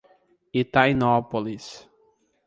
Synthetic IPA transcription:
it̪anɔpolis

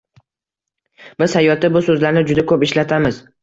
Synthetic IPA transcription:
b̥ɪzhajɒt̪ɪbʊsɵzlaɾnɪd͡ʒʊd̪akʰɵpɪʃlat̪ʰamɪz

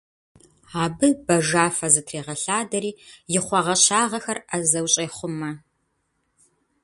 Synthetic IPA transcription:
aːbɨbɐʒaːfɐzɨtʰreːʁɐɬaːdɐɾiːjɪχʷɔʁɐɕaːʁɐxɐrɐzɐwɕʼeːχʷʊmɐ

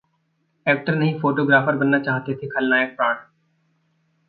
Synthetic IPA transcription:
ɛːk̚ʈəɾnɐɦĩfoːʈoːɡɾaːfəɾbɐnːat͡ʃaːɦt̪et̪ʰekʰɐlnaːjək̚pɾaːɽ

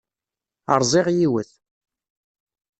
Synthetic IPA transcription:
ə̰ɾˤzˤɪʁjiwəθ

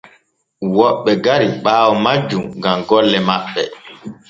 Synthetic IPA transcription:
wɔɓːɛɡaɾiɓaːwɔmad͡ʒumɡamɡɔlːɛmaɓːɛ

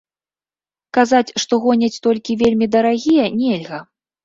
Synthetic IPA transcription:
kazat͡sʲʂt̪ɔɣɔnʲɐt͡sʲt̪ɔlʲkʲivʲelʲmʲid̪ɐɾaɣʲijɛnʲɛlʲɣɐ

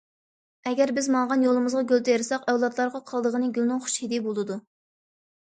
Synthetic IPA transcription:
ɛɡʲɛɾbɪzmɑŋʁɑnjolˠɨmɨzʁɑɡʲølt̪ʰejɾsɑqɛwlˠɑt̪lˠɑɾʁɑqʰɑlˠd̪əʁənɨɡʲylnʊŋχʊ̥ʃhid̪ibolˠɨd̪u

